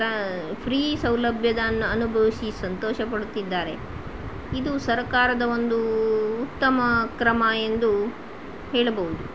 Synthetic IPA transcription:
ɐpʰɾiːsɐwlɐbʱjɐd̪ɐnːuɐnubʱɐʋisisɐnt̪ɔːʃɐpɐɽut̪id̪ːaːɾe̞ | id̪usɐɾkaːɾɐd̪ɐo̞nd̪uːt̪ːɐmɐkɾɐmɐe̞nd̪u | ɦeːɭɐbɐʋud̪u

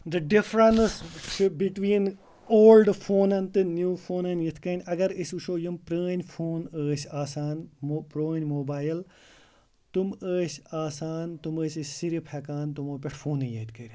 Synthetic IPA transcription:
d̪ɐɖɪfɾɐnst͡ʃbiʈwiːn | oːlɖfʰoːnɐnt̪ɨnjuːfʰoːnɐnjit̪ʰkɐnʲɐɡɐɾisuʃoːjumpɾəːnʲfʰoːnəːsaːsaːnmopɾoːnʲmoːbaːjl | t̪uməːsaːsaːnt̪uməːsisiɾipʰɐkaːnt̪umoːpʲɐʈʰfʰoːnɐjɐːt̪ʰkɐɾʲi

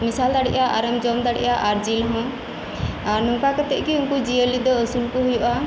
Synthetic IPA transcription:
misald̪aɽiʔaʔaɾəmd͡ʒɔmd̪aɽḭʔaʔaɾd͡ʒilɦɔ̃ | aɾnũŋkakat̪ɛʔ̚ɡiunkud͡ʒiəlid̪ɔəsulkɔɦujɔʔa

